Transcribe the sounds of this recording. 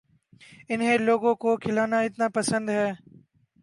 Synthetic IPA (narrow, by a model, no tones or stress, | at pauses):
ɪnɦẽloːɡõkoːkʰɪlaːnaːɪt̪naːpəsə̃nd̪ɦɛː